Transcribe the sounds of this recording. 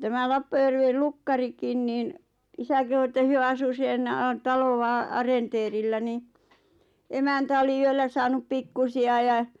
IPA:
tæmæ lɑpːɑjærʋel lukːɑrikin niːn isæ kehu etːæ hyø ɑsu sen tɑloʋɑ ɑrenteːrilːæ ni emæntæ oli yølːæ sɑːnup pikːusiɑ jɑ

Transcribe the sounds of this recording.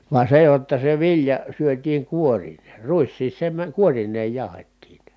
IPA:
ʋɑ se jotːɑ se ʋiljɑ syøtˑiːŋ kuorineː ruisːiːs se mæ kuorinˑeːj jɑˑu̞hetːiːn̞

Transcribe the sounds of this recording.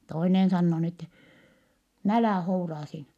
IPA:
toinen sɑnːoː n etːɛ n ælæˑ hourɑː siːnæ

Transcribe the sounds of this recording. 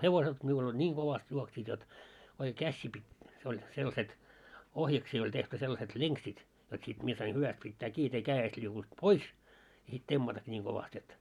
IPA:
heʋoset miul olʲ nʲiːŋ ɡ̊oʋɑst juoksiːt jot oike kæsːiː pitˑ se olʲ selːɑ̆set ohjɑksiː olʲ tehty selːɑset leŋksit jot sit mie sɑin hyʋæst pitːæː kiː jot ei kæːest liukunt pois jɑ sit temːɑtɑkːi nʲiːŋ koʋɑst et

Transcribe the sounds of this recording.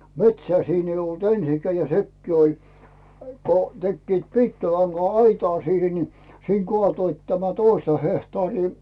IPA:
metsæː siːn eij olt ensikæː jɑ sekːiː olʲ ko tekːiːt piːkːilɑŋɡ̊ɑɑitɑː siːhe ni siːŋ ɡ̊ŏɑˑtoit tæmæ toistɑ hehtɑːriː

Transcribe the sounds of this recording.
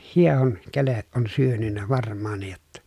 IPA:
hiehoŋ keleʔ ʔon syønynːæ ʋɑrmˑɑːnˑij jotːɑ

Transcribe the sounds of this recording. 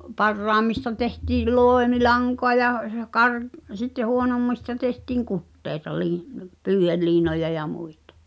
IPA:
pɑrːɑːmːistɑ tehtiː loˑemilɑŋkoɑ jɑ jɑ kɑr sitːe huonomːistɑ tehtiːŋ kutːeˑi̞tɑ liː pyːh̆elːiːnojɑ jɑ muitɑ̥

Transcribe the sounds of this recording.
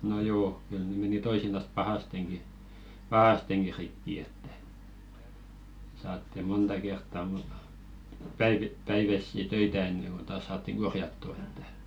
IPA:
no joː kyl ne meni toisinɑs pɑhɑsteŋki pɑhɑsteŋki rikːi etːæ̥ sɑːtːi montɑ kertːɑ mun̥ pæiʋi pæiʋæsːi tøitæ enːeŋ ɡ̊on tɑːs sɑːtːiŋ ɡ̊orjɑtːu e̥tːæ̥

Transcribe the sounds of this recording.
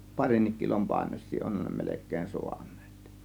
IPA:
pɑrinːik kilom pɑˑe̝nos̆ʲsiː onhɑn ne melekˑeːn so̥̝ɑ̥n̥ːe̥ːt

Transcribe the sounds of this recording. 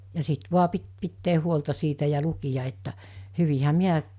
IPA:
jɑ sit ʋuɑ pit pitːeː huoltɑ siːtæ jɑ lukijɑ etːæ hyʋihæ miæ

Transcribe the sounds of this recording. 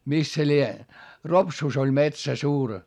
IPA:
mis se lie ropsuˑs olʲ metsæ suːr

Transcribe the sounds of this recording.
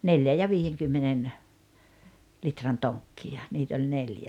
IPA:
neljæ jɑ ʋiːjeŋkymːenen litrɑn toŋkːiɑ niːt olʲ neljæ

